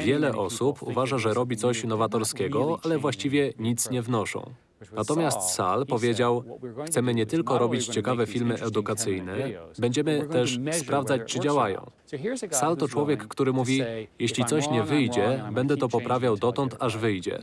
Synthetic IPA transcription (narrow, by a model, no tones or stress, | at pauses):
vʲjɛlɛʔɔsupʰṵvaʐaʐɛɾɔbʲit̪sɔɕnɔvat̪ɔɾskʲɛɡɔalɛvwaɕt͡ɕivʲjɛɲit̪sɲɛvnɔʂɔ̰̃w̃ | nat̪ɔmʲjast̪sa̰lpɔvʲjed͡ʑawxt̪sɛmɘɲɛt̪ɘlkɔɾɔbʲit͡ɕt͡ɕɛkavɛfʲilmɘʔɛd̪ukat̪sɘjnɛbɛɲd͡ʑɛmɘt̪ɛʂspɾavd̪zat͡ɕt͡ʂɘd͡ʑawajɔ̰̃w̃ | salt̪ɔt͡ʂwɔvʲjɛkːt̪uɾɘmuvʲijɛɕlʲit̪sɔɕɲɛvɘjd͡ʑɛbɛnd̪ɛt̪ɔpɔpɾavʲjawd̪ɔt̪ɔnt̪ʰaʐvɘjd͡ʑɛ̰